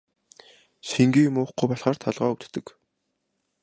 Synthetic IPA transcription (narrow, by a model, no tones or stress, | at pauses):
siŋɡiːmʊːχɡujpɔɮχaːrt̪ʰɔɮʁɔːut̪t̪ːɘ̆k